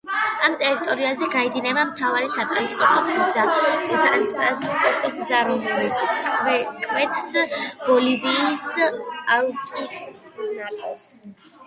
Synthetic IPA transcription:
amt̪ʼɛɾit̪ʼɔɾiazɛɡaɛd̪inɛbamt̪ʰavaɾisat̪ʼanskʼɔt̪ʰɔpʰɛzazantʼɾat̪ʼɛt̪ʰzaɾunɾɛt̪skʼvɛkʼvɛt̪ʰsb̥ɔliviːsalˠkʼinat̪ʼ

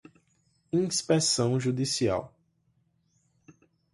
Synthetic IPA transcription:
ĩspɛsɐ̃w̃ʒud̪isia̰w

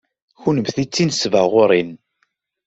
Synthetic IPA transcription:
çunəmθit͡sːinsvəʁʊɾˤin

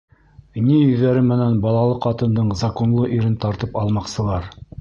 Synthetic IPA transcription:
nijɵ̆ðːæɾɘmɘ̆nænbɑlˠɑlˠɤqɑt̪ɤ̆nd̪ɤɴzɑkonlˠɤʔiɾɘnt̪ɑɾt̪ɤpɑlˠmɑqsɤ̆lˠɑɾ

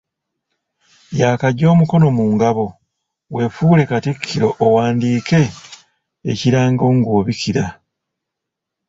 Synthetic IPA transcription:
jaːkaɟo̞ːmuko̞no̞muːŋɡaβo̞ | we̞fuːle̞katikʰːiɾo̞ʔːwaːndiːke̞̰ː | ciɾaːŋɡo̞ːŋɡoːβikiɾa

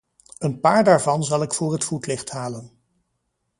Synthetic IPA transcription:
ənpaːɹdaːɹvɑnzɑlˠɪkfʊːɹɦətfutlɪχtɦaːlən

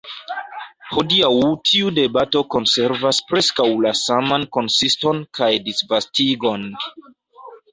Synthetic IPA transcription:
hodiawtʰiude̞bato̞ko̞nse̞ɾvaspɾe̞skawlasamanko̞nsisto̞nkʰajdisvastiɡo̞n

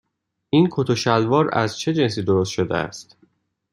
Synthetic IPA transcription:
iːnkʰot̪ʰoʃælvɒːɾæ̰zt͡ʃʰe̞d͡ʒe̞ns̬iːd̪o̞ɾost̪ʃod̪ḛæ̰st̪

